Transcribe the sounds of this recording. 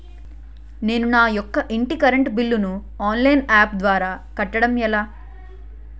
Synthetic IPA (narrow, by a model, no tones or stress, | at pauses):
ne̞ːnunaːjɔkːɐʔiɳʈikɐɾɐɳʈbilːunu | aːnlɐjnaːp̚d̪ʋaːɾaːkɐʈːɐɽɐmɛlaː